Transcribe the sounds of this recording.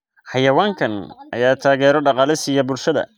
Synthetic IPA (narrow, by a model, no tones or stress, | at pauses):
ħɑjɐwaːŋkʰɐnʔɐ̰jaːt̪ʰaːɣɛːɾɔɖɑqɑːlɪsɪjɐbʊlʃɐðɐ̰